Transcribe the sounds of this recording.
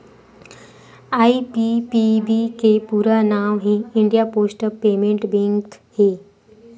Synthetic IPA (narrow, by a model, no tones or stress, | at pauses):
aipipibikepuɾanaʋɦiiɳɖijaposʈəpemeɳʈbeŋt̪he